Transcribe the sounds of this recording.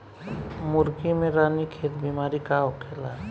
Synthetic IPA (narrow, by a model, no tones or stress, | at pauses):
mʊɾkimẽɾaːnikʰeːt̪bimaːɾikaokʰeːla